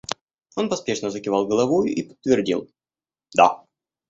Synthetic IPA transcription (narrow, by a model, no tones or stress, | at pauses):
o̞npɐspʲe̞ʂnəzəkʲɪvɑlˠɡəlˠɐvojʊ̰ʔipə̥t̪ːvʲɪrdʲḭlˠ | d̪a̰